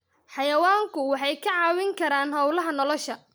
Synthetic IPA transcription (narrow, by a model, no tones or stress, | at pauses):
ħɑjɐwaːŋkʰʊwɑħɑjkʰɐʕɑːwɪŋkʰɐɾaːnɦɐwlɐɦɐnɔlɔʃɐ